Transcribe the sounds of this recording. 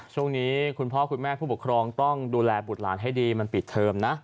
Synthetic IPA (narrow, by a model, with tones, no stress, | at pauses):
t͡ɕʰu˥˩əŋniː˦˥kʰu˧npʰɔ˦˥˩kʰu˧nmɛː˥˩pʰuː˥˩pkʰɾɔː˧ŋt̪ɔ˥˩ŋduː˧lɛː˧bt̪̚la̰ː˩˦nɦa˥˩jdiː˧ma˧npi˨˩t̪ʰːɤː˧mna˦˥ʔ